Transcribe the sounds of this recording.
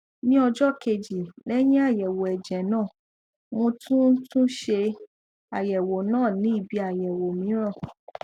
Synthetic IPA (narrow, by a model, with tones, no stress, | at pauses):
nĩ˦ɔ˧d͡ʒɔ˦ke˧d͡ʒi˨lɛ˦j̃ĩ˦a˦˨jɛ˨wo˨ɛ˨d͡ʒɛ˨nãː˦˨ | mõ˧tũ˦tũ˦ʃe˧ | a˨jɛ˨wo˨nãː˦˨nĩ˨˦i˦˨bi˨˧a˨jɛ˨wo˨mĩ˨˦ɾ̃ã˦˨